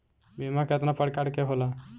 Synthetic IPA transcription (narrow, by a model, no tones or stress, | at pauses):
bimaket̪napəɽkaɽkeɦola